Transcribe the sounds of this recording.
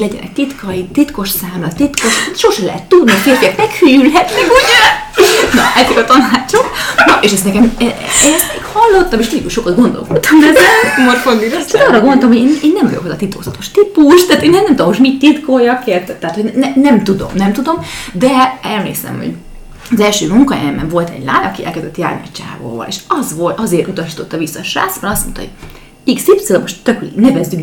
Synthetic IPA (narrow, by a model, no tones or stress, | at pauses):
lɛɟɛ̰nʔɛ̰c̚t̪it̪kʰɒit̪it̪ko̞ʃsaːmlɒt̪it̪ko̞ʃʃoʃɛlɛ̰ɦɛt̪ːud̪nikeɛmɛkhyjylɦɛt̪mɛkuɟɛnɒ̰ɛt̪ikɒt̪ɒnaːt͡ʃoknɒʔeʃɛst̪nɛkɛmɛɛst̪meːkhɒlːo̞t̪ːɒmeːʃt̪ilːikuʃo̞kɑd̪ɡo̞nd̪o̰lkot̪ːɒmd̪ɛɛzɛmorfond̪id̪ɛɛk̪ɒːrɒɡond̪olɔmhoɟeːneːnːɛmvɒ̰jokozɒ̰t̪it̪o̰ːzɒt̪o̞ʃt̪ipuʃt̪aːt̪eːnːɛnɛmt̪omoʃt̪mitt̪ːit̪koːjɒkeːrt̪t̪ːɛat̪honnɛnɛmt̪ud̪o̞̰mnɛmt̪ud̪o̞md̪ɛɛlmḛːsɛ̰mho̰ɟ | ɒzɛlʃøːmuŋkɒjɛ̰ɛmbɛɱvo̞lt̪ɛ̰ɟlaːɲɒkiʔɛ̰lkɛzd̪ɛt̪ja̰ːrniɛ̰t͡ʃa̰ːvo̰ːvɒ̰lḛːʃɒzvolt̪ɒzeːrɾut̪ɒʃiːt̪o̞t̪ːɒvisːɒʃra̰ːsbɒnɒst̪mo̞nt̪ɒ̰o̰̥ | iksipsølmoʃt̪ːøknɛvɛzːyk